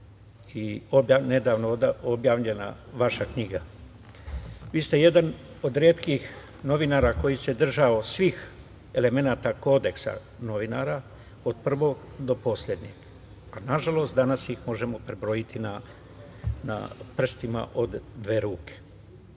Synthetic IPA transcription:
iobjane̞d̪aːʋnod̪ao̞bjaːʋʎe̞na̰ʋaʃakɲiːɡa | ʋiːst̪e̞je̞d̪an | o̞d̪ɾeːt̪kix | no̞ʋinaːɾako̞jise̞d̪r̩ʒaosʋix | e̞le̞me̞naːt̪ako̞ːd̪e̞ksa̰ | no̞ʋinaːɾa | od̪̚pr̩ʋo̞ːɡ | d̪o̞po̞sʎʲed̪ɲeɡ | anaʒalo̞st̪d̪anasixmo̞ʒe̞mo̞pɾebɾo̞jit̪ʰina | na̰pr̩st̪ima̰ʔo̞d̪ːʋe̞ːɾuːkʰe̥

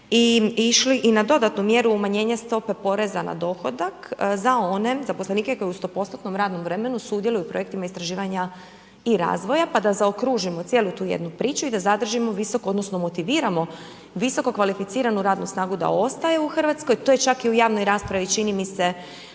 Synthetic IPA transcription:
iiʃliʔinad̪o̞d̪at̪numje̞ɾuːmaɲe̞ːɲast̪o̞pe̞po̞ɾe̞zana̰d̪o̞xo̞d̪akzao̞ne̞zaposleniːke̞ko̞jeust̪o̞po̞sat̪no̞mɾaːd̪no̞mʋɾe̞me̞nusuːd̪je̞lujupɾo̞jekt̪imaist̪ɾaʒiːʋaɲa | iɾa̰ːzʋo̞japad̪azaokɾuʒimo̞t̪sje̞ːlut̪uːjḛd̪nupɾiːt͡ʃuid̪azad̪r̩ʒimo̞ʋiso̞kood̪no̞sno̞mot̪iʋiːɾamo̞ | ʋiso̞ko̞kʋalifit̪iːɾanuɾaːd̪nusnaːɡud̪a̰o̞st̪aje̞uxr̩ʋat̪sko̞jt̪o̞jet͡ʃakiujaːʋno̞jɾaːspɾaʋit͡ʃinimise̞

